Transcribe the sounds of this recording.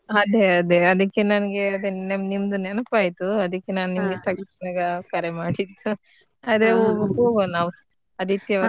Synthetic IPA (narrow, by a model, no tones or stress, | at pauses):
ɐd̪e̞ɐd̪e̞ɐd̪ɐkːe̞nɐnɐɡeɐd̪enmnimd̪unɛnɐpaːjit̪uɐd̪ɐkːe̞naːnnimɐɡet̪ɐɡɐt̪naːɡɐkɐɾemaːɽid̪ːu | aːd̪ɐɾeoːɡɦoːɡonaːʋu | ɐd̪it̪jɐ